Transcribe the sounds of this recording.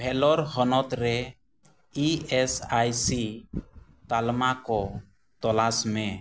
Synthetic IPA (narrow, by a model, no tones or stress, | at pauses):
bʱɛlɔɾɦɔnɔt̪ɾɛ | iɛsajsi | t̪almakɔ | t̪ɔlasmɛ